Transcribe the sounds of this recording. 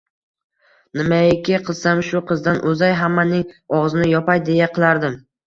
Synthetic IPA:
nɪmaɪkʲɪqʰɨz̥samʃʊqʰɨzd̪anʔɵzajɦamːanɪŋɒʁzɪnɪjɒpajd̪e̞jaqʰɨlˠaɾd̪ɪm

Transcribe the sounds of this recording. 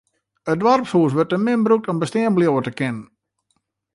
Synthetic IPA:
ət̚dʋɔrpsuːəs̬ʋørt̚əmɪnbəruk̚tɔmbəstɪəmbəljoːətəkɪnən

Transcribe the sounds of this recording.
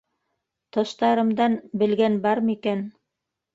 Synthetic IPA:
t̪ɤ̆ʃt̪ɑɾɤ̆md̪ɑnbɘ̆lɡænbɑɾmikæn

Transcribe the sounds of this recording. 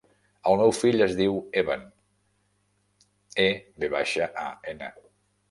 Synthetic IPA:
əlˠmewfiʎəzðiweβən | ebeβaʃəʔa̰enə̰

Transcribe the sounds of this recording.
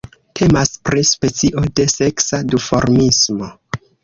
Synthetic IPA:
tʰe̞maspɾispe̞t͡siʔo̞de̞se̞ksadufo̞̰ɾmismo̞

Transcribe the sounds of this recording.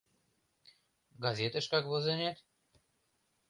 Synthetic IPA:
ɡazʲet̪ə̆ʃkɑkβozenet̪

